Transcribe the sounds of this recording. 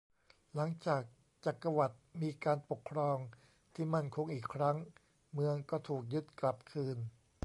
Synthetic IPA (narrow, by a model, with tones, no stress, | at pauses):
la˩˦ŋt͡ɕaː˨˩k̚ | t͡ɕa˨˩kːa˧wa˨˩t̪̚miː˧kaː˧npo˨˩kʰːɾɔː˧ŋ | t̪ʰiː˥˩ma˥˩nkʰo˧ŋʔiː˨˩kʰɾa˦˥ŋ | mɯ˧əŋkɔː˥˩t̪ʰuː˨˩k̚jɯ˦˥t̪̚kla˨˩p̚kʰɯː˧n